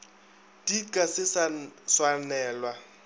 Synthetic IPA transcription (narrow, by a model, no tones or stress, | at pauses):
d̥ikʼasɪsaswanɛːlwa